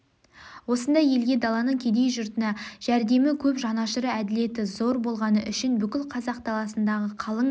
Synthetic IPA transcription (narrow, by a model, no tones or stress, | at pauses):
wo̞sənd̪ɑje̞lɡʲe̞d̪ɑlˠɑnəɴkʲʰe̞d̪e̞jʒʊɾt̪ənɑʒ̥æɾd̪e̞mɪkʲʰɵpʒɑnɑʃəɾəæd̪ɪle̞t̪ɪzo̞ɾbo̞lˠʁɑnəʔʏʃɪnbʏkʲɪlˠqʰɑzɑq̚d̪ɑlˠɑsənd̪ɑʁəqʰɑlˠəɴ